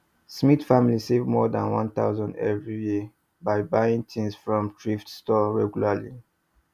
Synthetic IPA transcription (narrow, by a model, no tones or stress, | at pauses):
smitfamilisevmɔdãnwã̰nt̪a̰ʊzɔ̃ndɛ̰vɹiji | baɪbaĩŋtʰĩnsfɹɔ̃mtɹiftstɔɹɛɡjulalḭ